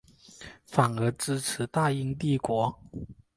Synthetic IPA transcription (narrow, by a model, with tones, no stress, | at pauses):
fa˨˩nə˧˥ʈ͡ʂɻ̩˥ʈ͡ʂʰɻ̩˨˧˥t̪a˥˧i˥ŋt̪i˥˩kwɔ˧˥